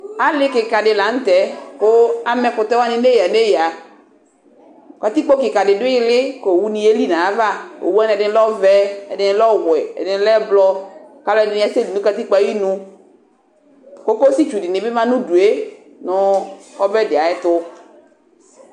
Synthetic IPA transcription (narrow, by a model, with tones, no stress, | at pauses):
a˦lɪ˦kɪ˨ka˨dɪ˨la˨˦n̩˦t̪ɛ˨kʊ˦a˦mɛ˦kʊ˨t̪ɛ˦wa˦nɪ˦ne˦ja˨ne˦ja˨ | ka˨t̪i˦k͡po˦kɪ˨ka˨dɪ˨dʊ˦ɪ˦lɪ˦ko˨wu˦nĩ˦e˦li˦nã˨a˦va˦o̰˨wu˦a˦n˨ɛ˨dɪ˦n˦lɔ˦vɛ˦ɛ̰˨dɪ˨n˦lɔ˦wɛ˨ɛ̰˨dɪ˨˦n˦lɛ˦blɔ˦ka˦lɛ˦˨dɪ˨˦nɪ̃˦a˦se˦di˨nũ˦ka˨t̪i˦k͡pa˦ji˦nũ˦ | ko˦ko˦si˦t͡ʃu˨dɪ˨nɪ̃˨bɪ˦mã˦nʊ̃˦du˨e˦ | nʊ˦ɔ˦vɛ˦dɪ˨a˨ɛ˦t̪ʊ˦